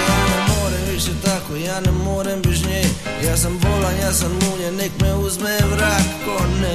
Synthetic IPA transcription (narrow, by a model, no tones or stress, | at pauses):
janemoːɾemʋiʃet̪akojaːnɛmoːɾembiʃɲe | jaːs̬ambolanjaːsanuːɲenekmeuzmemɾaːk̪kone